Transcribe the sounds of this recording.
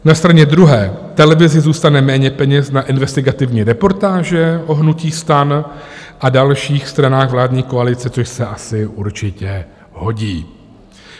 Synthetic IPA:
nast̪ɾaɲɛd̪ɾuɦɛːt̪ɛlɛvɪzɪzuːst̪anɛmɛːɲɛpɛɲɛsnaʔɪnvɛst̪ɪɡat̪ɪvɲiːɾɛpo̞ɾt̪aːʒɛʔo̞ɦnuciːst̪an | ʔadalʃiːxst̪ɾanaːɣvlaːdɲiːko̞alɪt͡sɛt͡so̞ʃsɛʔasɪʔuɾt͡ʃɪcɛ | ɦho̞ɟiː

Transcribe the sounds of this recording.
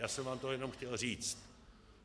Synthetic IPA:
jaːsɛmvaːmt̪oɦojɛno̞mxcɛlr̝iːt͡st̪

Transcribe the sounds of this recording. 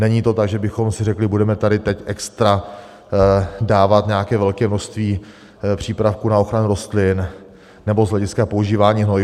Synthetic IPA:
nɛɲiːt̪o̞t̪aɡʒɛbɪxo̞msɪrɛklɪbudɛmɛt̪adɪt̪ɛcʔɛkst̪ɾa | daːvat̪ɲɛjakɛːvɛlkɛːmno̞ʃst̪viː | pr̝̥iːpɾafkunao̞xɾanuɾo̞st̪lɪn | nɛbo̞zɦlɛɟɪskapouʒiːvaːɲiːɦnoj

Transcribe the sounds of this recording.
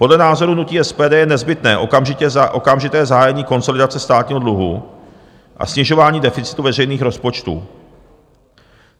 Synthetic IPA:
po̞dlɛnaːzo̞ɾunuciːʔɛspɛːdɛːjɛnɛzbɪt̪nɛːʔoamʒɪɛʔokamʒɪt̪ɛːzaɦaːjɛɲiːko̞nso̞lɪdat͡sɛst̪aːt̪ɲiːɦodluɦṵ | ʔa̰sɲɪʒo̞vaːɲiːdɛfɪt͡sɪ̥t̪uvɛrɛjniːxɾo̞spo̞t͡ʃt̪ṵː

